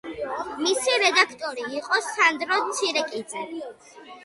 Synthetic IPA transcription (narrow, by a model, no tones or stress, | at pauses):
misiɾɛd̪akʰt̪ʼɔɾiːqʼɔsand̪ɾɔt̪sʰiɾɛkʼid̪zʼɛ